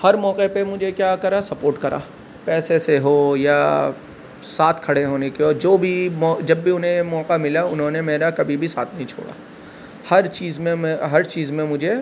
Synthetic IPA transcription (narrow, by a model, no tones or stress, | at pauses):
hɐɾmɔːqepemʊd͡ʒʱekjaːkɐɾasɐpoːɾʈkɐɾʔa̰ː | pɛːseseɦoːjaː | saːt̪ʰkʰɐɽeɦoːnekeɔːɾd͡ʒoːbʱimɔːd͡ʒɐbːʱiʊnɦẽmɔːqamɪlaʊnɦõnemeːɾakɐbʱibʱisaːt̪ʰnɐɦĩt͡ʃʰo̰ːɽa̰ː | hɐɾt͡ʃiːzmẽmeɦɐɾt͡ʃiːzmẽmʊd͡ʒʱe